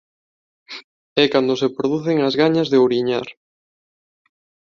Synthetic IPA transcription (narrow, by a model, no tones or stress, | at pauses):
ɛkand̪osepɾoðuθeŋazɣaɲazðeoɾiɲaɾ